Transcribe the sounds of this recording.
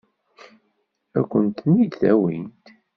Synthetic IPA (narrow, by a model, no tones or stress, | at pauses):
ækʷːənt̪nid̪θæwint̪